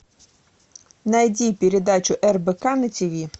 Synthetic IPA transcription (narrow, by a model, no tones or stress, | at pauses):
nɐjdʲipʲiɾʲed̪at͡ʃʊʔɛrbekanɪt͡sʲɔʋʲi